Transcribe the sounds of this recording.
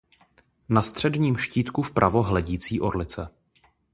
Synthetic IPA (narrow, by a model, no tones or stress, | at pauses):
nast̪r̝̥ɛdɲiːmʃciːt̪kufpɾʔavo̞ɦlɛɟiːt͡siːʔo̞ɾlɪt͡sɛ